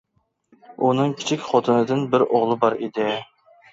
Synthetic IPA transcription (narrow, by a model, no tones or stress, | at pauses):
unɨŋkʲʰi̥t͡ʃʰikʲχot̪ʰɨnɨd̪ɨnbɪɾoʁlˠɨbɑɾed̪ɪ